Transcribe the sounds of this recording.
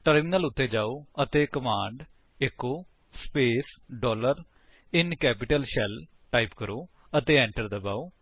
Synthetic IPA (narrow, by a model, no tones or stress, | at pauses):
ʈəɾmɪnəlʊt̪ʰːeːd͡ʒaːoːət̪eːkəmãːɳɖ | ɪkːoː | speːsɖɔːləɾ | ɪnkɛːpɪʈəlʃɛl | ʈaːipkəɾoː | ət̪eːɛ̃ːɳʈəɾd̪abaːoː